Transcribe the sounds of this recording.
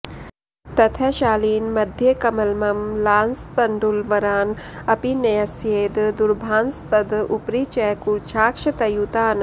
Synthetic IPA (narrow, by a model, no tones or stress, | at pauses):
t̪ɐt̪ʰɛʃaːliːnmɐd̪ʱjekɐmɐlmɐmlaːnst̪ɐɳɖulʋɐɾaːn | ɐpinɐjɐsjeːd̪d̪uɾbʱaːnst̪ɐd̪upɾiːt͡ʃɛkuɾt͡ʃʰaːkʂɐt̪ɐjut̪aːn